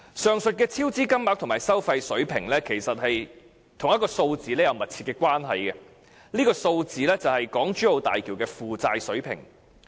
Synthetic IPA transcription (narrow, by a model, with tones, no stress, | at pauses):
sœː˨˧ŋsɵ˨t̚kɛː˧t͡sʰiː˥wt͡siː˥kɐ˥mmaː˨˥k̚t̪ʰʊ˨˩ŋmaː˨˩jsɐ˥wfɐ˧jsɵ˨˥ɥpʰɪ˨˩ŋlɛː˥kʰe˨˩jsɐ˨t̚hɐ˨j | t̪ʰʊ˨˩ŋjɐ˥tkɔː˧so˧wt͡siː˨lɛː˥jɐ˨˧wmɐ˨t̚t͡sʰi˧tkɛː˧kʷwaː˥nɦɐ̰˨jkɛ˧ | niː˥kɔː˧so˧wt͡siː˨˧lɛː˥t͡sɐ˨whɐ˨jkɔː˨˥ŋt͡ʃyː˥o˨˧wt̪a̰ː˨jkʰiː˨˩wkɛː˧fuː˨t͡saː˧jsɵ˨˥ɥpʰɪ̰˨˩ŋ